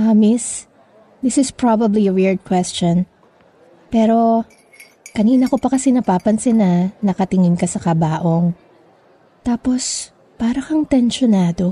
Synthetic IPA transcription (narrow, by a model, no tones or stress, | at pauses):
ʔɐmɪs | d̪ɪsɪspɹabɐbliɐwɪɹd̪̚kwɛst͡ʃon | pɛːɾo̞ | kɐniːnɐko̞pɐkɐsɛnɐpaːpɐnsɛnɐnɐkɐt̪ɪŋɪnkɐsɐkɐbaːʔo̞ŋ | t̪aːpo̞s | paːɾɐkɐŋt̪ɛnʃonaːd̪o̞